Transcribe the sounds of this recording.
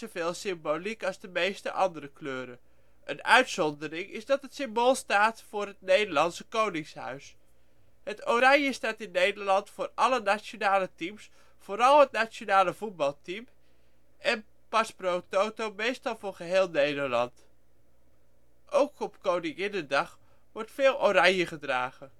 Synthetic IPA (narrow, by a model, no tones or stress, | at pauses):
oveːlˠsɪmbolikɑlˠzdəmejstə̰ʔɑndəɾəkløːɾə | ʔənœ̰ɥtsɔndəɾɪŋɪ̰sdɑtətsɪmboːlˠstaːtfʊːrɦətnejdəɹlɑnsəkownɪŋshœ̰ɥs | hətoɾaŋjəstaːtɪnːejdəlɑntfʊːrɑlənasjonaːlətims | foːɾɑlˠɦətnat͡ʃjonaːləvut̚bɑlˠtim | ʔɛn | pɑsprowtowtowmejstɑlˠvʊːɹχəɦeːlˠnejdəlɑnt | ʔowkɔpkownɪŋɪnəndɑχ | ʋɔɹtfɪːlˠʔoɾɑɲjəχədraːɣə